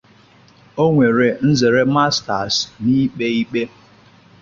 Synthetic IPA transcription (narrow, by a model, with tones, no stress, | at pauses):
o˦ŋʷe˨ɾe˨n̩˦ze˨ɾe˦ma˦sta̰˨sni˦k͡pe˦i˦k͡pe˦